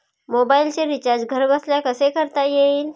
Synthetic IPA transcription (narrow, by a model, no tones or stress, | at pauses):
mobailt͡ɕeɾit͡ɕaɾd͡ʑɡʱəɾbəsljakəsekəɾt̪ajeiːl